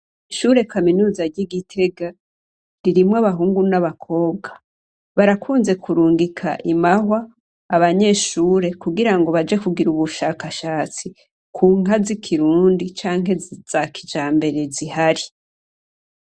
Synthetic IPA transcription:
iʃuɾe̞kaminuːzaɾɟiɡitʰe̞ɡa | ɾiɾimwaβaɦuːŋɡunaβakʰo̞ːbɡa | βaɾakʰuːnze̞kuɾuːŋɡikʰa̰ʔimaɦwaː | βaɲe̞ʃuːɾe̞kuɡiɾaŋɡo̞βad͡ʒe̞kuɡiɾuβuʃaːkaʃaːt͡si | kʰuːŋazikʰiɾuːndit͡ʃaːŋɦe̞z̥akʰid͡ʒaːmbe̞ɾe̞zihaɾi

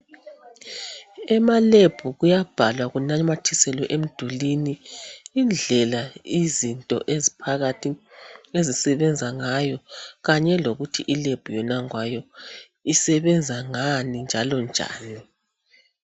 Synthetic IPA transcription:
ɛmaleb̥ʱuɣujab̥ʱalwaɣunamatʰisɛlɔʔem̩d̥ʱuliniː | nd͡ɮʱɛlaizintʼɔ̰ʔezipʰaɣatʰiezisɛβɛnd͡zʱaŋajɔɣaɲɛloɣutʰiʔileb̥ʱujɔnaŋwajɔ | isɛβɛnd͡zʱaŋanind͡ʒʱalɔnd͡ʒʱa̰ːni

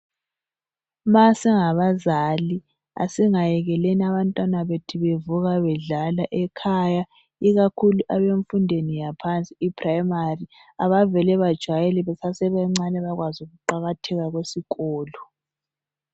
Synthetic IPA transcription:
masɛŋaβazali | a̰siŋajɛɣɛleniaβantʼwanaβetʰiβevuɣaβɛɮalaʔɛkʰaja | iɣakʰuluʔaβeɱfundʱenijapʰant͡sʼiːpʰrajmari | aβavɛlɛβad̥ʒ̥ʱwajɛlɛβɛsasɛβɛŋ͡ǀanɛβaɣwazuɣuǃaɣatʰɛɣaɣwesiɣɔːlɔ

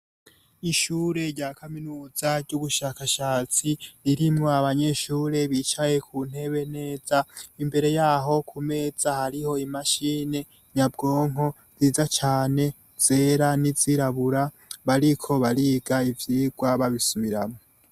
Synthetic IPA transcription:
iʃuːɾe̞ɾɟaːkʰaminuːzaɾɟuβuʃaːkaʃaːt͡siɾiɾimŋoaβaɲe̞ʃuːɾe̞βit͡ʃaje̞kʰuːn̥he̞βe̞ne̞ːz̥aimbe̞ɾe̞jaːɦo̞kʰume̞ːz̥ahaɾiho̞imaʃiːne̞ | ɲabɡo̞ːŋ̥o̞ | z̥iːzat͡ʃaːne̞ | z̥e̞ːɾaniziɾaβuɾa | βaɾikʰo̞βaɾiːɡaivjiːɡwaβaβisuβiɾamo

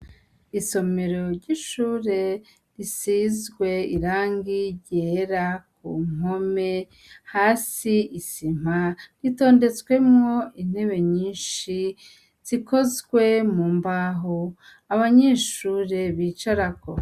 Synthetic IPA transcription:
iso̞me̞ɾo̞ɾɟiʃuːɾe̞ | ɾisizɡwe̞iɾaːŋɡiɟeɾakṵm̥o̞me̞ | haːsiisim̥aɾito̞ːnde̞t͡sɡwe̞mŋo̞in̥he̞βe̞ɲiːnʃi | z̥iko̞zɡwe̞muːmbaɦo | aβaɲeʃuːɾe̞βiːt͡ʃaɾako̰

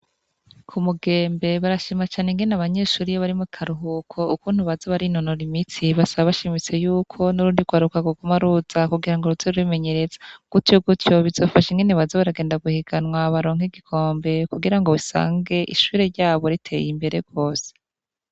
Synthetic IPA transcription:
kʰumuɡeːmbe̞βaɾaʃimat͡ʃaːne̞ŋɡenaβaɲe̞ːʃuːɾijaβaɾimuikʰaɾuɦukʰo̞ukuːn̥huβazaβaɾinonoɾimit͡siβasaβaβaʃimit͡se̞juːkʰo̞nuɾuːndiɡ̥waːɾukaɡuɡumaɾuz̥akuɡiɾaŋɡo̞ɾuzoɾuime̞ɲe̞ɾe̞zḁɡ̥utoɡutjo̞βizo̞faʃeŋɡeneβazaβaɾaɡe̞ːndaɡuhiɡ̥anwaβaɾo̞ːŋ̥iɡikʰo̞ːmbe̞kuɡiɾaŋɡo̞βisa̰ːŋɡe̞ʔḭʃuːɾeɾɟaːβo̞ɾitʰe̞jimbe̞ɾeɡo̞ːse̥

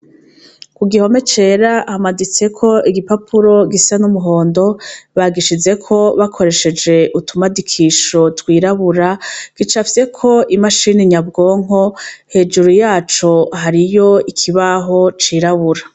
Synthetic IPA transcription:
kuɡiho̞me̞t͡ʃe̞ːɾahamadit͡se̞kʰo̞iɡipapʰuɾo̞ɡisanumuɦo̞ːndo̞βaɡiʃize̞kʰo̞βakʰo̞ɾe̞ʃe̞d͡ʒe̞ʔutumadikʰiːʃo̞twiːɾaβuɾaɡ̥it͡ʃafise̞kʰo̞imaʃiːniɲabɡo̞ːŋɦo̞he̞ːd͡ʒuɾujaːt͡ʃo̞ɦaɾijo̞ikʰiβaɦo̞t͡ʃiːɾaβuɾa

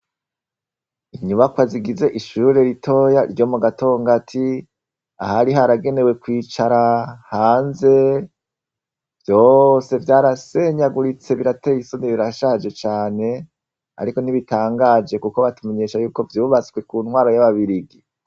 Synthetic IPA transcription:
iɲuβakwaziɡize̞ʔiʃuɾe̞ɾitʰo̞jaɾɟo̞muɡato̞ːŋɡatʰi | ahaɾiɦaɾaɡe̞ne̞we̞kwiːt͡ʃaɾahaːnze̞ | vjo̞se̞vjaːɾase̞ɲaɡuɾit͡se̞βiɾate̞jisoniβiɾaʃad͡ʒe̞t͡ʃaːne̞ | a̰ɾiko̞niβitaːŋɡad͡ʒe̞kuko̞βatume̞ɲe̞ːʃajuːko̞vjuːβat͡swe̞kuːnhwaːɾo̞jaβaβiɾiɡi

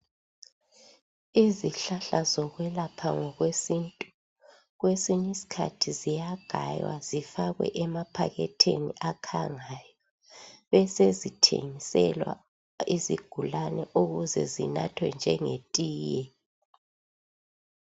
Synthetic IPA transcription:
iziɬaɬazɔɣwɛlapʰaŋɔɣwesintʼu | ɣwesiɲisi̥kʰa̰tʰizijaɡ̥ʱa̰jwa̰zifaɣwɛ̰ʔɛmapʰaɣɛtʰeniʔakʰaŋajɔ | βɛsezitʰḛŋisɛlwa̰ | iziɡ̥ʱulanɛʔuɣuzɛ̰zina̰tʰwɛnd͡ʒʱɛŋetʼiːjɛ

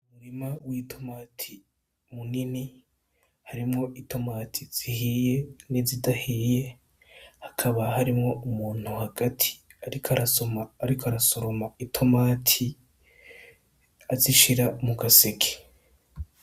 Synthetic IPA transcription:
umuɾimawitʰo̞maːtʰi | munini | haɾimŋo̞ʔitʰo̞maːtʰiz̥iɦiːje̞nizidahiːje̞ | hḁkʰaβahaɾimŋo̞umuːn̥huhaɡ̥atʰi̥ | aɾikʰaɾomːɾikoaɾaso̞ɾo̞maitʰo̞maːtʰi | aziʃiɾamukasekʰe̥

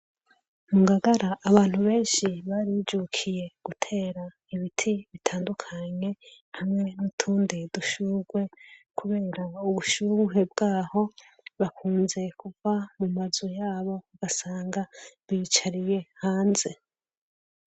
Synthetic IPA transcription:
muŋɡaɡaɾaʔːβaːn̥huβe̞ːnʃiβaɾid͡ʒukʰije̞ɡ̥utʰe̞ːɾa | iβitʰiβitʰaːndukʰaɲe̞ | hamŋe̞nutʰuːndiduʃuɡwe̞kʰuβe̞ːɾauβuʃuuɦe̞bɡ̥aːho̞ | βakʰuːnze̞kʰuvamumazojaːβo̞uɡ̥asaːŋɡaβiit͡ʃaɾije̞haːnze̞

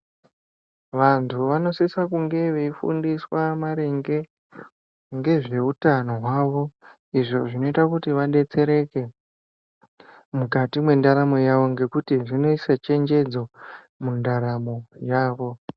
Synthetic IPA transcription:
ʋantʰuʋano̞sisakuŋɡe̞ʋeifṵndiswamaɾeŋɡe̞ | ŋɡe̞ʐe̞utano̞ɦwaːʋo̞ | iʐo̞ʐino̞itakutiʋaɗe̞t͡se̞ɾe̞ke̞ | mukatimwe̞ndaɾamo̞jaʋo̞ŋɡe̞kutiʐino̞isat͡ʃe̞nd͡ʒe̞d͡zo | mundaɾamo̞jaːʋo̞

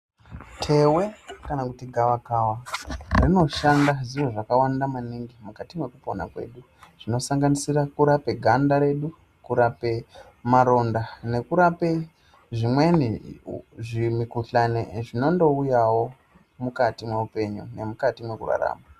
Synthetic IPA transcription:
tʰe̞we̞kanakutiɡʱaʋakawarino̞ʃandaziroʐakawandamaniŋɡimukatimwe̞kupo̞̰na̰kwḛːɗu | ʐ̥ino̞saŋɡanisiɾakuɾape̞ɡʱandaɾe̞ɗu | kuɾape̞ | maɾo̞ndane̞kuɾape | ʐimwe̞ni | ʐimikuɬanḛʐino̞ndo̞ujawo̞ | mukatimweupe̞ɲṵne̞mukatimwe̞kṵra̰ɾa̰ːma

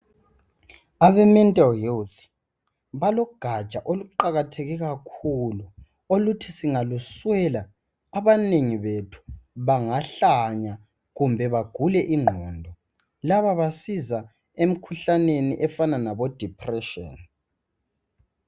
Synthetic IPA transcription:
aβɛmɛntʼalɦɛlt̪ | βalɔɡ̥ʱḁt͡ʃʼaʔoluǃaɣatʰeɣɛɣakʰulu | olutʰisiŋaluswɛlaː | βaneŋiβetʰu̥βaŋaɬaɲa | ɣumbʱɛβaɡ̥ʱulɛʔiŋ͡ǃʱɔːndʱɔ | laβaβasiza | em̩kʰuɬaneniʔɛfananaβɔd̥ʱipʰʼrɛʃɔ̰n

